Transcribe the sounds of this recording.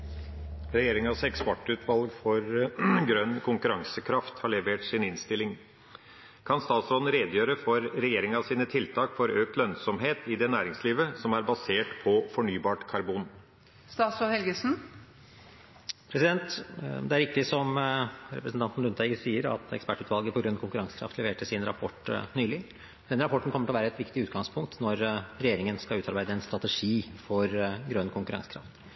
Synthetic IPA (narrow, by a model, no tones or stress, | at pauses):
ɾɛjeːɾɪŋɑsɛkspɔʈːʉːt̪ʰʋɑlɡfɔɾɡɾœnːkʰʊŋkʉɾɑŋsəkʰɾɑft̪hɑɭɛʋeːʈsɪnɪnst̪ɪlːɪŋ | kʰɑnst̪ɑːt̪sɔd̪n̩ɾeːd̪jøːɾəfɔɾɾɛjeːɾɪŋɑsiːnət̪ʰɪlt̪ʰɑːkfɔɾøːk̚t̪lœnsɔmɦeːt̪ɪd̪ɛnæːɾɪŋsliːʋəsɔmæɾbɑseːʈpʰɔfɔɳyːbɑːʈkʰɑɾbuːn | st̪ɑːt̪sɔhɛlɡəsn̩ | pʰɾɛsɪd̪ɛnt̪d̪ɛæɾʋɪk̚t̪ɪsɔmɾɛpɾəsn̩t̪ɑnt̪n̩lʉnt̪æɪɡəsiːəɾɑ̰t̪ɛ̰kspæʈʉːt̪ʋɑlɡəpɔɡɾœnːkʰʊŋkʉɾɑŋsə̥kɾɑ̰ft̪ʰlɛʋeːʈəsɪnɾɑpʰɔʈːnyːlɪ | d̪ɛnɾɑpʰɔʈːɳ̩kʰɔmːəʈʰɪlɔʋæːɾəɛt̪ʋɪkt̪ɪʉːt̪̚ɡɑŋspʰʊŋk̚t̪nɔɾɾɛjeːɾɪŋənskɑʉːt̪ʰɑɾbæɪd̪əɛnst̪ɾɑt̪ɛʂiːfɔɾɡɾœnːkʰʊŋkʉɾɑ̰ŋsə̥kɾɑ̰ft̪